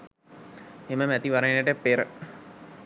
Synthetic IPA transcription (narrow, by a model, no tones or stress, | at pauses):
eməmæt̪iʋaɾanəʈəpːeɾə